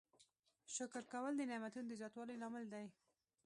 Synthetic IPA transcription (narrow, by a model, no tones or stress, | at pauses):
ʃʊkɾkawəld̪ənɪmat̪unod̪əzjɑt̪wɑləjlɑmɪld̪aj